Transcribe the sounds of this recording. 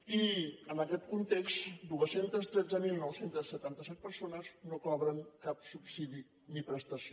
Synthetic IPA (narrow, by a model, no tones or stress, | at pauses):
iənəkɛt̪kunt̪ekst̪d̪uəsent̪əst̪ɾɛdd͡zəmilˠnɔwsent̪əsːət̪ant̪əsɛt̪̚pəɾsonəznokɔβɾəŋkapsupsiði | nipɾəst̪əsi